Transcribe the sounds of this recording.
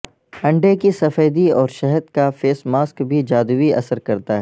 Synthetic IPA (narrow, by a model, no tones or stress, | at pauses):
ɐ̃ɳɖekisɐfəːd̪iɔːɾʃɛɦəd̪kafeːsmaːskbʱid͡ʒaːd̪uʋiɐ̰səɾkɐɾt̪aɦɛɛː